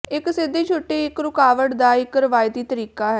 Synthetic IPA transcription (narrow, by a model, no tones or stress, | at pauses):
ɪksɪd̪eːt͡ʃʰoːʈːeːɪkɾʊkaːʋəʈd̪aːɪkɾəʋaːjt̪iːt̪əɾiːkaːɦɛː